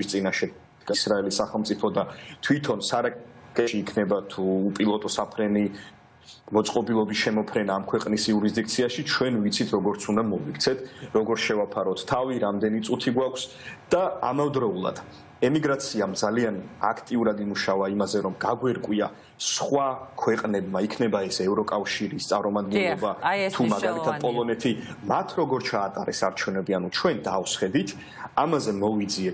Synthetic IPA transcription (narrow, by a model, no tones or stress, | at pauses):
ist̪sʼinaʃɛ | ɡsɾaɛlisːaχɛlˠmt̪sʼipʰɔd̪at̪ʰwit̪ʰɔnsaɾakʼɛʃiːkʰnɛbat̪ʰuːpʼilˠɔt̪ʼɔsapʰɾɛni | mɔt̪sʼqʼɔbilˠɔbisʃɛmɔpʰɾɛnaːmkʰwɛqʼnisiuɾizd̪ikt̪sʰiaʃit͡ʃʰwɛnvit̪sʰit̪ʰɾɔɡɔɾt̪sʰund̪amɔvikt̪sʰɛt̪ʰɾɔɡɔɾʃɛvapʰaɾɔt̪ʰːaviɾamd̪ɛnit̪sʼut̪ʰiɡwakʷʰs | d̪̥aa̰mavd̪ɾɔulˠa̰d̪̥ | ɛmiɡɾat̪sʰiamd̪zaliana̰kʰt̪ʼiuɾad̪imuʃavaimazɛɾɔmɡaɡwɛɾkʼwia | sχwakʰwɛqʼnɛbmaikʰnɛbaɛsɛvɾɔkʼafʃiɾist̪sʼaɾmɔmad̪̚ɡɛnlˠɔbat̪ʰumaɡalit̪ʰad̪pʼɔlˠɔnɛt̪ʰimat̪ʰɾɔɡɔɾt͡ʃʰaːt̪ʼaɾɛsaɾt͡ʃʰɛvnɛbianut͡ʃʰwɛnd̪afsχɛd̪it̪ʰ | amazɛmɔvid̪ziɛ